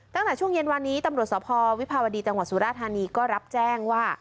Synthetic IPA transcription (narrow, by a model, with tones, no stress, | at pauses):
t̪a˥˩ŋt̪ɛː˨˩t͡ɕʰu˥˩əŋje˧nwaː˧nːiː˦˥t̪a˧mɾu˨˩əsɔː˩˦pʰɔː˧wi˦˥pʰaː˧wa˧diː˧t͡ɕa˧ŋwa˨˩t̪̚suː˨˩˦ɾaː˥˩t̪ʰːaː˧niː˧kɔː˥˩ɾa˦˥p̚t͡ɕɛː˥˩ŋwaː˥˩